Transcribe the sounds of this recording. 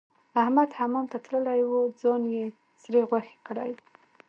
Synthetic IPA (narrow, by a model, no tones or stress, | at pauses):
ahmad̪hamomt̪at̪ɽəlajwud͡zɑnje | sɾeɣwaxe̥kɽaj